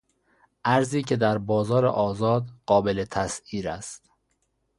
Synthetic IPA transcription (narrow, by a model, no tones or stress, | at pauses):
ʔæɾziːcʰe̞d̪æɾbɒːzɒːɾḛʔɒːzɒːd̪ɢɒːbe̞let̪ʰæsiːɾæst̪